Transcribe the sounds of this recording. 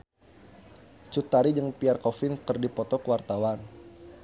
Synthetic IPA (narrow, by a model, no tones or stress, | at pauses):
t͡ʃut̪aɾid͡ʒəŋpiarkɔfɪnkərdipɔt̪ɔkəwart̪awan